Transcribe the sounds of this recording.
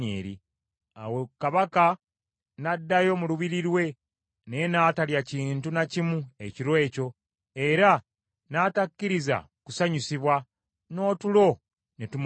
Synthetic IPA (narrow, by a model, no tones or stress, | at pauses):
ḛːɾḭ | a̰wekaβaka | nadːajo̞muluβiɾiɾwe̞ | nenaːtaljaciːntunacimue̞ciɾwe̞ːco̞ | e̞ɾa | natakːiɾiza̰ | kusaɲusiβwa | no̞ːtulo̞ | netum